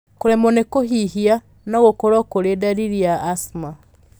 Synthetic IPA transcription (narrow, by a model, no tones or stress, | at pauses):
koɾɛmonekoɦiɦia | naɣokɔɾɔkoɾedaɾiɾiaːsma